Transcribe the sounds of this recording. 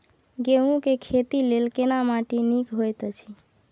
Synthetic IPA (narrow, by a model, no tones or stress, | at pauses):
ɡeɦũkekʰet̪ilelkenamaʈinikɦojt̪t͡ʃʰi